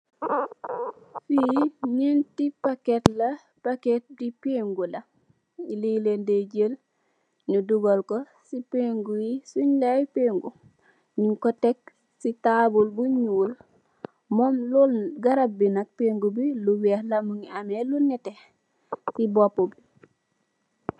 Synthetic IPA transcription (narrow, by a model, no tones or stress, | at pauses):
fiɲintipaketlɐ | paket̚dipeŋɡulɐ | ililendeɟel | nuduɡolko | sipeŋɡujisuɲlajpeːŋɡu | ɲiŋkotek̚ | sitabulbuɲuːl | mɔmlulɡaɾab̚binak̚peŋɡubiluwehlamuŋiamelunɛte | sibopːobi